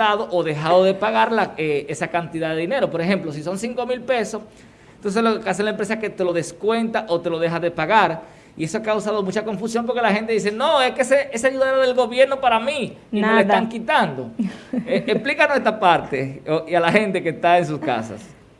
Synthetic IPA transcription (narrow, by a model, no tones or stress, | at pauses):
aðo̞ʔoðe̞xaðo̞ðe̞paɣaɾlaeesakant̪iðaðe̞ðine̞ɾo̞po̞ɾexe̞mplo̞s̬iso̞nsiŋko̞milpe̞so̞s | nt̪ons̬elokas̬enlaempɾe̞saket̪elo̞ðe̞skwe̞nt̪aʔot̪e̞lo̞ðe̞xaðe̞paɣaɾ | ie̞soakawsaðo̞mut͡ʃako̞ɱfusjo̞mp̬o̞ɾke̞lahe̞nt̪̬eðis̬e̞no̞eskeseʔesaʝuðaðeaðelɡo̞βje̞ɾno̞paɾami | imealesaaŋkit̪and̪o̞ | emplikanwe̞st̪ɾapaɾt̪eialaxe̞nt̪e̞kest̪aens̬uska̰sa̰s